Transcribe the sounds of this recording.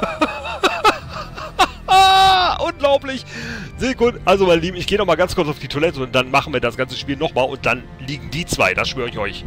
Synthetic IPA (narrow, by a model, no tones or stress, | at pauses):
aʔʊnɡlaʊplɪçzeːkʰʊtəʔalzomaɪnəliːbm̩ɪçɡ̥eːənɔχmaːlɡant͡skʰʊɐt͡saʊfd̥iːtʰolɛtəʊnt̚d̥anmaχn̩viːɐdasɡ̥ant͡səʃpiːlnɔχmaːlʔʊ̰nt̚d̥an | liːɡŋ̩diːt͡sv̥a̰ɪd̥asʃv̥øːɐɪçʔɔʏç